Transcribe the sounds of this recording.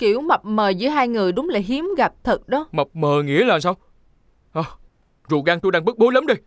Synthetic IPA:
ki˧˩˨əwma˨˩p̚məː˨˩zɨ̰˧˦əjɦaː˧jŋɨ˨˩əjɗʊ˨˦ŋ͡mlaː˨˩jɦi˨˦əmɣa˨˩p̚t̪ʰɨ˨˩k̚ɗɔ˨˦mə˨˩p̚məː˨˩ŋḭ˧˥əlaː˨˩nsaː˧w | ʔəː˨˩ | zṵ˧˨ɣaː˧ŋt̪u˧jɗaː˧ŋɓɨ˦˥k̚ɓo˨˦ləː˨˦mɗə˧˩j

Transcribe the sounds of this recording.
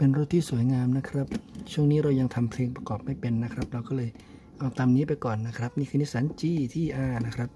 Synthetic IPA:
pe˧nɾo˦˥t̪̚ʰːiː˥˩su˩˦əjŋaː˧mna˦˥kʰɾa˦˥p̚t͡ɕʰu˥˩əŋniː˦˥ɾa˧wja˧ŋt̪ʰa˧mpʰleː˧ŋpɾa˧kɔː˨˩p̚ma˥˩jpe˧nːa˦˥kʰɾa˦˥p̚ɾa˧wkɔː˥˩lɤː˧j | ʔa˧wt̪aː˧mniː˦˥pa˧jkɔː˨˩nːa˦˥kʰɾa˦˥p̚niː˥˩kʰɯː˧ni˦˥saː˩˦nt͡ɕiː˧˩t̪ʰiː˥˩ʔaː˧na˦˥kʰɾa˦˥p̚

